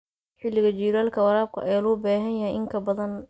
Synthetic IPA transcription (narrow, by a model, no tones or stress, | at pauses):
ħɪlːɪɣɐd͡ʒiːɾaːlkʰɐwɐɾaːb̚kʰʊ̰ʔɛjlɔːbaːɦɐjjɐɦɛjʔɪŋkʰɐbɐðɐn